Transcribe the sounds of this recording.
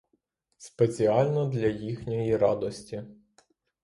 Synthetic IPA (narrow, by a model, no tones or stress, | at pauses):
spet͡sʲiɑlʲnɔd̪lʲɐjixnʲɔjiɾɑd̪ɔsʲtʲi